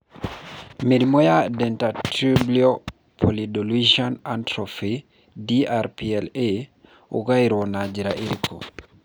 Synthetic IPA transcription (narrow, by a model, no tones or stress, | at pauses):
miɾimɔjadɛntatɾiblio | pʰolidolid͡ʒɔnantɾofi | diaɾpiɛle | ṵɡajɾɔnad͡ʒiɾaʔiɾikɔ̰